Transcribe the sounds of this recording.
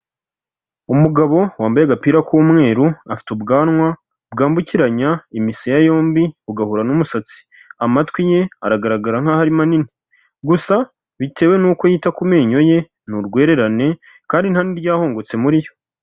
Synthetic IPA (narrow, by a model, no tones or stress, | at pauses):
umuɡaβo̞waːmbajaɡapiːɾakʰuːmŋe̞ːɾuafi̥tubɡaːnŋwa | bɡaːmbuciɾaɲaimisijajo̞ːmbiβuɡahuɾanumusat͡si̥ | amatwije̞a̰ɾaɡaɾaɡaɾaŋ̥ahaɾimanini | ɡusa | βite̞ːwe̞nuːko̞jiːtakume̞ːɲo̞je̞ | nuɾɡwe̞ːɾe̞ɾane̞ | kaːndin̥haniɾɟaːho̞ːŋɡo̞t͡se̞muɾijo̞̥